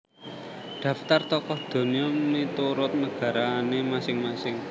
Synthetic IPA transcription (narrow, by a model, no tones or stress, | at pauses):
d̪̥ä̤ft̪art̪ɔkɔhd̪̥o̤niɔmit̪uɾʊt̪̚nəɡ̥ä̤ɾanemasɪŋmasɪŋ